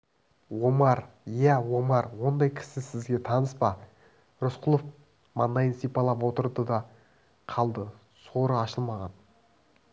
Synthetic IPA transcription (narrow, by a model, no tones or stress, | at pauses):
wo̞mɑɾ | jæwo̞mɑɾwo̞nd̪ɑjkʲʰɪ̥sɪsɪzɡʲe̞t̪ʰɑnəspɑ | ɾʊsqʰʊlˠof | mɑnd̪ɑjənsijpɑlˠɑpwo̞t̪əɾd̪əd̪ɑ | qʰɑlˠd̪ə | so̞ɾəɑʃəlˠmɑʁɑn